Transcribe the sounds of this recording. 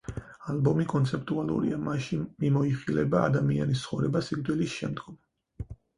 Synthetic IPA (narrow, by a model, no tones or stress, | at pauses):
albɔmikʼɔnt̪sʰɛp̚t̪ʼualˠṵɾḭamaʃimimɔiχilɛba̰ːd̪amia̰nist̪sʰχɔvɾɛbasikʼd̪ʼwɛlisʃɛmd̪ɡɔm